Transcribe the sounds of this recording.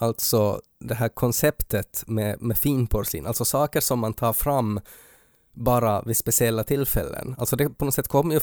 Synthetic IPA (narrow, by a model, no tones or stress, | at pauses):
alt̪sɔ | d̪ɛɦæːɾkʰɔnsɛpt̪ət̪mɛmɛfiːnpʰɔɾʂḭːnalt̪sɔsɑːkəɾʂɔmːant̪ʰɑːɾfɾamː | bɑːɾavɪspɛsɪɛlːat̪ʰɪlːfɛ̰lːə̰nalsɔd̪ɛpʰɔnɔsɛt̪ːkʰɔmːəjɵ